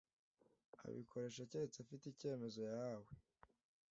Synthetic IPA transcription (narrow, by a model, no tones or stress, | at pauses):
a̰βḭkʰo̞ɾe̞ʃaceɾet͡safitice̞ːme̞zo̞jawe